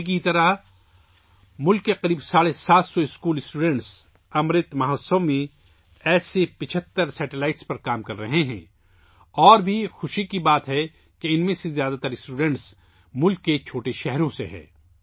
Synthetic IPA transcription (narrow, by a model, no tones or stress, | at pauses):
kit̪ɐɾa | mʊlkːeqɐɾiːbsaːɽesaːt̪sɔɪskuːlɪsʈuːɖɛ̃ɳʈs | ɐmɾɪt̪mɐɦasomẽ | ɛːsepɪt͡ʃʰət̪ːəɾsɛːʈɪlaːɪʈspɐɾkaːmkɐɾːɐɦeɦɛ̰̃ː | ɔːɾbʱixʊʃikibaːt̪ɦɛ | keɪnmẽsezjaːd̪at̪ɐɾɪsʈuːɖɛ̃ɳʈs | mʊlkːet͡ʃʰoːʈeʃɛɦɾõseɦɛ̰̃ː